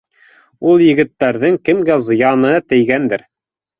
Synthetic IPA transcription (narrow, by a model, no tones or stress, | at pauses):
ulˠjɘ̆ɡɘ̆t̪ːæɾðɘŋkɘ̆mɡæzɤ̆jɑnɤt̪ɘ̆jɡænd̪ɘɾ